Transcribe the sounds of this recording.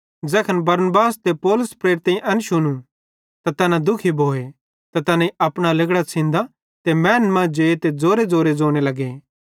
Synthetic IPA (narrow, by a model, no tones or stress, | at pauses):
d͡ʒɛːkʰənbɐɾnbaːst̪epɔːlʊspɾeːɾɪt̪ɐ̃ĩʔɐnʃʊñũ | t̪at̪ɐnãd̪ʊkʰibʱoːe | t̪at̪ɐnãiɐpɽ̃alɐɡɽat͡sʰɪ̃nd̪a | t̪emɛːnmãd͡ʒeːt̪ed͡zoːɾed͡zoːɾed͡zoːɽ̃elɐɡeː